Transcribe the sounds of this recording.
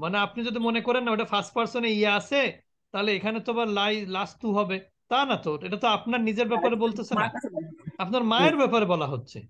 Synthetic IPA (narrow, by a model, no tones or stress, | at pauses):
maneapnid͡ʑod̪imonekoɾenːaoeʈafasʈ̚paɾsoneieat͡ɕʰe | t̪aɦoleekʰanet̪omaɾlajlast̪uɦɔbe | t̪anat̪oɾeʈat̪oapnaɾnid͡ʑeɾbɛpaɾebolt̪esʰena̰apnaɾmaeɾbɛpaɾebɔlaɦotːɕʰḛ